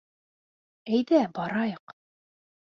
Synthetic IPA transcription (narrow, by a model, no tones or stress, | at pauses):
æjðæbɑɾɑjɤq